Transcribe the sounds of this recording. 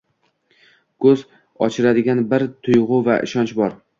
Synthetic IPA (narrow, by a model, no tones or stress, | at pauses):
kʰɵz | ɒt͡ʃʰɪɾad̪ɪɡʲanbɪɾt̪ʰʊjʁʊvaʔɪ̰ʃɒnt͡ʃbɒɾ